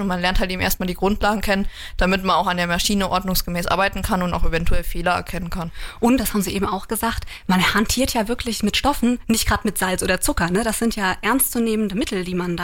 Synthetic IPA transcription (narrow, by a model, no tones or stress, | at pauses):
ʊntmanlɛɐnthalteːbm̩ḛːɐst̚maːldiːɡʁʊntlaːɡŋ̩kʰɛnən | d̥amɪtmanaʊxandeːɐmaɐʃiːnəʔɔɐdnʊŋsɡ̥əmɛːsʔa̰ɐbaɪtn̩kʰanʊnta̰ʊxevɛntuɛlfeːlɐɛ̰ɐkʰɛnənkʰanʔʊnt̚d̥ashaːbm̩ziːʔeːbm̩aʊxɡ̥əzaːxt | manhantʰiːɐtʰjaːvɪɐkʰlɪçmɪtʃtɔfn̩nɪçtɡ̥ʁaːtmɪtz̥alsʔoːdɐt͡sʊkɐnəɾasz̥ɪntjaːʔɛɐnst͡suneːməndəmɪtʰl̩diːmanda